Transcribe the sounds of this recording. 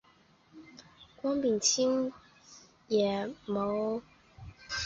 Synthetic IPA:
kwɑ˥ŋpi˨˩ŋt͡ɕʰi˦˥ŋ | jɛ˨˩˦mo˨˦ʊ

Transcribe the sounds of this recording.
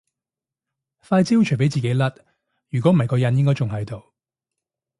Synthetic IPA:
faː˧jt͡siː˥wt͡ʃʰp̬e˨˥jt͡siː˨ke˨˥jlɐ˦˥t̚ | jyː˨kɔː˨˥m̩˨hɐ˨jkɔː˧jɐ˨˧njɪ˥ŋkɔː˥jt͡sʊ˨ŋɦɐ˨˧jt̪o˨˧w

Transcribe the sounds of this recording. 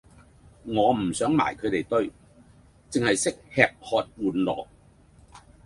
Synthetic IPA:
ŋɔː˨˧m̩˨˩sœː˨˥ŋma̰ː˨˩jkʰɵ˨˧ɥt̪e˨jt̪ɵ˥ɥ | t͡sɪ˨ŋhɐ˨jsɪ˥k̚hɛː˨˧k̚hɔː˧t̚wuː˨nlɔ̰ː˨˩k̚

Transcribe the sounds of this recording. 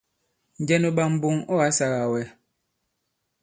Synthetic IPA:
n̩˨d͡ʒɛ˦no˨ɓa˨m̩˨bo˨ŋɔ˦a˦sa˨ɣa˨wɛ˨˦

